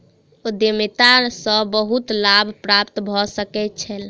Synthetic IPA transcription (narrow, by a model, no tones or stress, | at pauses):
ud̪jəmit̪asə̃bəɦut̪labʱpɾapt̪bʱɔsəkɛt̪̚t͡ʃʰɛl